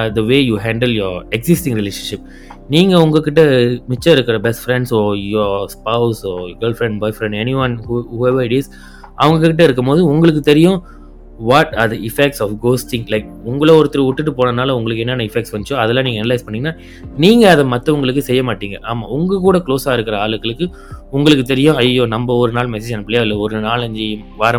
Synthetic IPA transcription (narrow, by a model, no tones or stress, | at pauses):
d̪ɐʋeːjuːɦaːɳɖəljɔɾɛksɪsʈɪ̃ŋɾɪleːʂɐ̃nʂɪp̚ | niːŋɡɐʊŋɡɐkːɪʈːɐmɪt͡ʃːɐɪɾɯkːɪɾɐbɛsʈfɾɛɳɖsoːjɔːspɐʊsoːɡɐːlfɾɛ̃ɳɖbɔːɪfɾɛ̃ɳɖɛnɪʋɐnhuhuːɛʋɐɾɪʈɪs | ʔɐʋɐŋɡɐkːɪʈ̬ːɐɪɾɯk̬ːɐmpoːðɯʊŋɡɐɭɯk̬ːɯt̪ɛɾɪjʊ̃ | ʋɔʈaɾðɐɪfɛk̚ʈsɔːfɡoːsʈɪ̃ŋlɐɪk̚ʊŋɡɐɭoɔɾɯt̪ːɪɾɐʊʈːɯʈ̬ːɯpoːnɐnaːlɐʊŋɡɐɭɯk̬ːɛnːɛːnːɐɪfɛkʈsʋɐɲd͡ʒt͡ʃːʊ̃ɐðɛlːãːniːŋɡɐɛnɐlɐɪspɐɳːɪːŋɡɐnːaː | niːŋɡɐːðɐmɐt̪ːɐ̃ʊŋɡɐɭɯkːɯsɛjːɐmaːʈːiːŋɡɐʔaːmːaːʊŋɡɐkuːɽɐkloːsaːɪɾɯkːɐɾɐaːɭɯkːɐɭɯkːɯ | ʊŋɡɐɭɯkːɯt̪ːɛɾɪjʊ̃ɐjoːnɐmbɐɔɾɯnaːlmɛseːd͡ʒɛnːɐpːɪɭjaːɪlːɐɔɾɯnaːlɐɲd͡ʒi | ʋaːɾɐ